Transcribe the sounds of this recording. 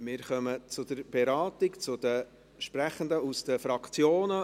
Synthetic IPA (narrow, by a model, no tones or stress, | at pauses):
mɪːɾχœmət͡sʊd̪əɾb̥ɛɾɑːtɪkt͡sʊd̪ə | ʃpɾæχənd̪əusd̥əfɾɑkt͡sjoːnə